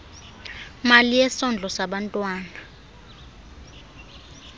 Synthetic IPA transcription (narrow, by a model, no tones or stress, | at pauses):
malijɛsɔnd͡ɮʱɔsaɓantʼwaːna